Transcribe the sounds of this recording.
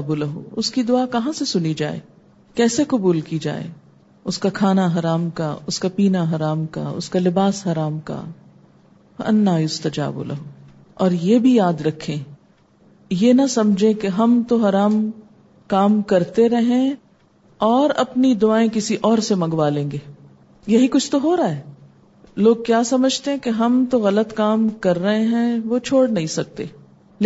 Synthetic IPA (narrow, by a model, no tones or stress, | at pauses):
bulɐɦo̰ʊskid̪ʊaːkɐɦãsesʊnid͡ʒa̰ːḛː | kɛːsekɐbuːlkid͡ʒa̰ːḛː | ʊskakʰaːnaɦɐɾaːmkaʊskapiːnaɦɐɾaːmka̰ʊ̰skalɪbaːsɦɐɾaːmka̰ | wɐ̰ɐ̰nːaːjʊst̪ɐd͡ʒa̰ːbṵlɐ̰ɦo | ɔːɾjeːbʱijaːd̪ɾɐkʰːẽː | jeːnɐsɐmd͡ʒʱẽkeɦɐmt̪oɦɐɾaːm | kaːmkɐɾt̪eɾɐɦẽ | ɔːɾɐpnid̪ʊaːẽkɪsiʔɔːɾsemɐ̃ŋɡʋaːlẽːŋɡeː | jɐɦikʊt͡ʃʰt̪oɦoːɾaaːɦɛː | loːɡ̚kjaːsɐməd͡ʒʱt̪eɦɛ̃keɦɐmt̪oɣɐlət̪kaːmkɐɾːɐɦẽɦɛ̃ʋot͡ʃʰoːɽnɐɦĩsɐk̚t̪ḛː | l